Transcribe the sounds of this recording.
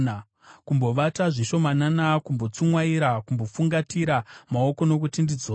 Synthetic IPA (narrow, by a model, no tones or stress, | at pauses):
a | kumbo̞ʋataʐiʃo̞mananakumbo̞t͡sumwaiɾakumbo̞fuŋɡatiɾamao̞ko̞no̞kutindid͡zoː